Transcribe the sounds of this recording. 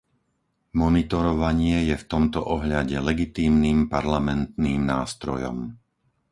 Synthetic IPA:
mɔnit̪ɔɾɔʋaɲɪɛjɛft̪ɔmt̪ɔʔɔɦʎaɟɛlɛɡit̪iːmniːmpaɾlamɛnt̪̚niːmnaːst̪ɾɔ̰jɔ̰m

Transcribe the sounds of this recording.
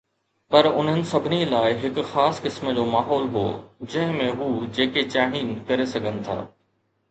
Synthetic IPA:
pɐɾʊ̰n̤ənɪ̆sɐbʱɪnilaːɪɦɪkʊxaːskɪsm̆d͡ʑoːmaːɦɔːlɦo̰ːd͡ʑɐ̃ɦɪ̃mẽɦuːd͡ʑeːket͡ɕaːɽ̃iːnkɐɾesɐɡʱənɪ̆t̪ʰa̰ː

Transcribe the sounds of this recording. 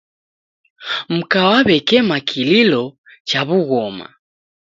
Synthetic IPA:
m̩kawaβɛkɛmakʰililɔ | t͡ʃaβuɣɔma̰

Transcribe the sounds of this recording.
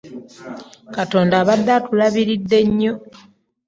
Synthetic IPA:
kato̞ːndaːβad̪ːatulaβiɾidːe̞ɲːo̞

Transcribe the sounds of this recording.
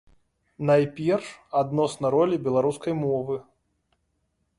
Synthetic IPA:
najpʲɛrʂad̪nɔsnɐɾɔlʲibʲɛlˠaɾuskɐjmɔvɨ

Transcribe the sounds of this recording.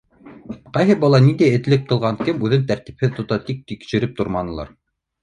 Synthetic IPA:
qɑjɦɤbɑlˠɑnind̪æɘ̆t̪lɘk̚qɤ̆lˠʁɑŋkɘmʉðɘnt̪æɾt̪i̥p̚hɘðt̪ŏt̪ɑt̪ik̚t̪ikʃɘ̆ɾɘp̚t̪ŏɾmɑnɤ̆lˠɑ̰ɾ

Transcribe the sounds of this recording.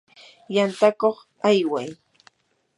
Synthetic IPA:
jant̪akoχ | ajwaj

